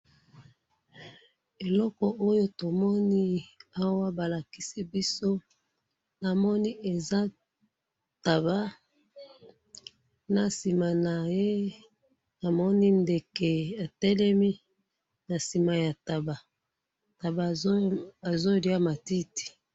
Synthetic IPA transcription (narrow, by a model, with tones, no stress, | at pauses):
e˨lɔ˦kɔ˨ʔo˦jo˦to˨mɔ˦ni˦a˦wa˦ba˨la˨ki˦si˦bi˦so˦ | na˨mɔ˦ni˦e˨za˦ | ta˨ba˦ | na˨si˨ma˨na˨je˦ | na˨mɔ˦ni˦nde˨ke˨a˨tɛ˦lɛ˦mi˦ | na˨si˨ma˨ja˨ta˨ba˨ | ta˨ba˨ | a˨zo˦˨li˨a˦ma˨ti˦ti̥˨